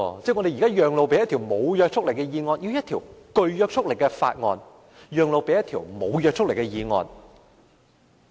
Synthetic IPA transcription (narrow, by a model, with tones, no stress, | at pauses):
t͡sɛː˥ŋɔ˨˧d̪e˨jːkaː˥jœː˨ŋlo˨˧wpe˨˥jɐ˥t̪ʰi˨˩wmo˨˧wjœː˧k̚t͡sʰʊ˥k̚le˨˩kɛː˧jiː˨˧ŋɔː˧nji˧wjɐ˥t̪ʰiː˨˩wkɵ˧ɥjœː˧k̚t͡sʰʊ˥k̚le˨˩kɛː˧fa̰ː˧t̚ŋɔ̰ː˧n | jœː˨˧ŋlo˨˧wpe˨˥jɐ˥t̪ʰiː˨˩wmo̰˨˧wjœː˧k̚t͡sʰʊ˥k̚le˨˩jkɛ˧jiː˨˧ŋɔ̰ː˧n